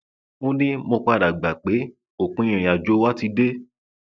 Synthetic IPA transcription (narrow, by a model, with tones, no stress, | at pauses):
õ˦nĩ˦mo˧k͡pa˧da˨ɡ͡ba˨k͡pe˨˦ | o˨k͡pũ˧˦ĩ˨a˨d͡ʒo˨˦wa˦ti˧de˦